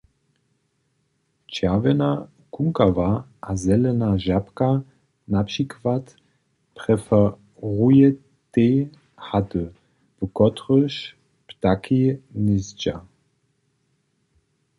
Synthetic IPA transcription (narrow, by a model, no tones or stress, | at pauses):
t͡ʃavɛna | kuŋkavaʔazɛlɛnaʒapka | napʂikvat | pʁ̥ɛfɛ | ʁujɛ | t̪e | hatə | v̥əkɔtʁəʃ | ptakinizd͡ʒa